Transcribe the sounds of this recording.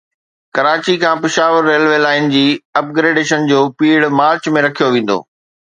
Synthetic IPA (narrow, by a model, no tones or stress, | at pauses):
kɐɾaːt͡ɕikʰãːpɪʃaːʋəɾːeːlʋeːlaːɪnd͡ʑiːɐp̚ɡɾeːɖeːʃənd͡ʑoːpiːɽmaːɾt͡ɕmẽɾɐkʰijoʋẽːn̆d̪o̰ː